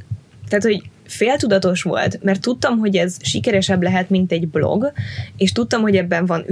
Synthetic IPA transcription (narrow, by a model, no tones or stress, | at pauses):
t̪aːt̪ho̞ɟ | feːlt̪ud̪ɒt̪o̞ʃʋo̞̰lt̪mɛrt̪ːut̪ːɒmɦo̞ɟɛzʃikɛɾɛʃɛblɛɦɛt̪mint̪ɛɟblo̞̰ɡeːʃt̪ut̪ːɒmho̞ɟɛbːɛɱvɒn